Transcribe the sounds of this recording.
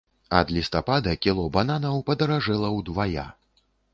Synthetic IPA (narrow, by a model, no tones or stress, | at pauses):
ɐ̰d̪lʲist̪apad̪ɐkʲilˠɔbananɐwpɐd̪ɐɾaʐɛlˠɐwd̪vaja̰